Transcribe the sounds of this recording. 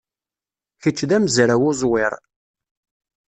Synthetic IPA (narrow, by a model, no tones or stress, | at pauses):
çət͡ʃːðæmzɾæwʊzˤwɪɾˤ